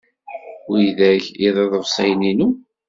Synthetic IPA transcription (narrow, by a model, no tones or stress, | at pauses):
jðæʝiðˤɑðˤəvsˤæjninu